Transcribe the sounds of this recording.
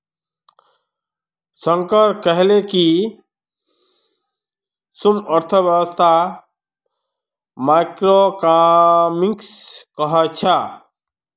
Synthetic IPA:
sə̃ŋkəɾkəɦleki | suməɾt̪ʰəbjəwəst̪ʰa | majkɾokamikskəɦət͡ʃʰa

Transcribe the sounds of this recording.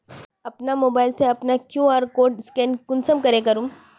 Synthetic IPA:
əpnamobajlt͡seəpnakjuaɾkoɖskenkunsəmkəɾekəɾuːm

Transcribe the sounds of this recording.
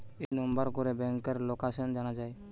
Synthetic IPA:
enɔmbəɾkɔɾebɛŋkəɾlokasənd͡ʒaɽ̃ad͡ʒae

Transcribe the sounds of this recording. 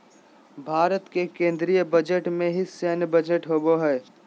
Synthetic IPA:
bʱaːɾət̪kekẽːnd̪ɾijəbəd͡ʒeʈmẽɦiseːnbəd͡ʒeʈɦoːboɦɛː

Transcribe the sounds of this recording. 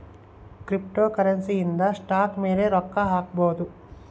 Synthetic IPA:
kɾip̚ʈoːkɐɾɐnsiːnd̪ɐsʈaːkmiːɾeːɾɔkːɐɦaːkboːd̪u

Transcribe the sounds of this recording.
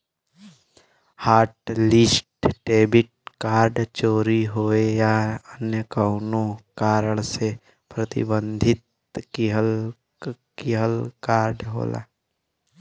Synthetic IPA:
haːɾʈlɪsʈʈeːbɪʈ̚kaːɾɖt͡ʃoːɾiɦoːejaənjəkəʊnõkaːɾəɭse | pɾɐt̪ɪ̰bə̃nd̪ʱɪt̪̚ | kiɦəl | kiɦəlkaːɾɖɦo̰ːla̰ː

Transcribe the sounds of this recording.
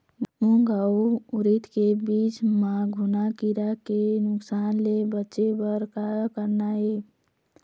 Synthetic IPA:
ũɡʱawuɾit̪kebit͡ʃmaɡʱunakiɾakenʊksanlebətːʃebəɾkakəɾnae

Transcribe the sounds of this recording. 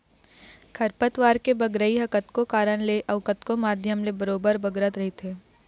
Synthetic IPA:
kʰɐɾpət̪ʋaːɾkebɐɡɾəiɦɐkət̪kokaːɾəɽ̃leʔɐʋkət̪komaːd̪ʱjəmlebɐɾoːbəɾbɐɡɾət̪ɾɐɦit̪ʰeː

